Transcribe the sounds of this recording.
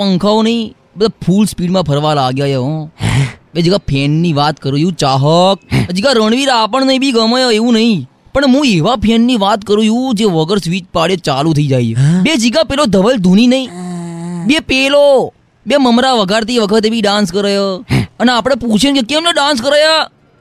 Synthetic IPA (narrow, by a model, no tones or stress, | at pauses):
pəŋkʰaonəĩ | bəd̪apʰulspiɽmãpʰəɾʋalaɡjajeɦõ | bed͡ʒiɡapʰɛnniʋat̪kəɾujũt͡ʃaɦək̚əd͡ʒiɡaɾəɳ̃ʋiɾapəɳnəɦĩbiɡəməjoeʋũnəɦĩ | pəɳɦũeʋapʰɛnːiʋat̪kəɾũjũd͡ʒeʋəɡəɾsʋit͡ʃpaɽet͡ʃalũt̪ʰəid͡ʒajebed͡ʒiɡãpelod̪ʱəʋəld̪ʱuninəɦĩ | bepelo | beməmɾaʋəɡʱaɾt̪iʋəkʰət̪ebʱiɖãnskəɾəjaəneapɽ̃epũt͡ʃʰenkekemnɛɖãns̬kəɾəja